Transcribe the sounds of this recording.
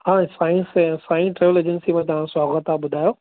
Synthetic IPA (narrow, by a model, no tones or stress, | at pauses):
ɦãːsaːĩnssãːĩʈɾeʋəleːd͡ʑənsimẽt̪ɐʋ̤ãsaːɣət̪aɓʊd̪ʱaːjoː